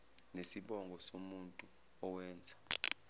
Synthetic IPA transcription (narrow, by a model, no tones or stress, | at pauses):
nesiɓɔŋɡʱɔsomuntʼu | ɔwɛːnd͡zʱa